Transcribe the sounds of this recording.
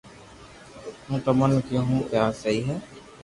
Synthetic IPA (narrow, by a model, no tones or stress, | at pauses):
ɦũːt̪əmənkjõːɦũːpjaːsəiːɦɛː